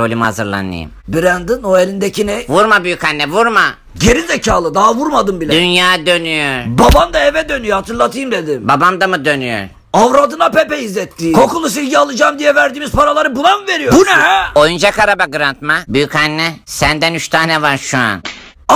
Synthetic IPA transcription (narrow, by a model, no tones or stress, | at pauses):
olʲimha̰zɯɾlˠa̰nːɯ̰jɯ̰mbiɾænd̪ɯnoelʲind̪ecinɛjvuɾmabyjycanːɛvuɾma | ɟeɾizɛcʰaːlˠɯd̪aɦvuɾmad̪ɯmbilʲɛd̪ynjaːd̪ø̞nyjoɾbabamd̪aevɛd̪ø̞nyjohat̪ʰɯɾlˠat̪ʰɯjɯmd̪e̞d̪ɪbabamd̪amɯd̪ø̞nyjo̰ɾ | avɾad̪ɯnapepɛizlʲɛt̪ʰːiːkʰo̞kulˠus̬ilʲɟialˠɯd͡ʒaːmd̪ijɛvæɾd̪iːmiz̥pʰaɾalˠaɾɯbunˠamve̞ɾijobuɾnaɦɛo̞jund͡ʒakʰaɾabaɡɯɾant̪mabyjycanːɛsænd̪ænyt͡ʃt̪ʰaːnɛvaɾʃua̰n